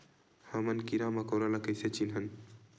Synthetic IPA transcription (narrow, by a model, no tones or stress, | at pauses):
həmənkiɾaməkəwɾalakəjset͡ʃʰinɦən